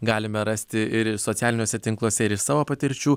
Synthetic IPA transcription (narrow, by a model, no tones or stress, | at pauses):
ɡɑːlʲɪmʲɛɾɐsʲt̪ʲɪɪɾsoːt̪ʲæːlʲɪnʲoːsʲɛt̪ʲɪŋklˠuːsʲɛɪɾɪʃsɑːʋoːpɐt̪ʲɪɾʲt͡ʃʲuː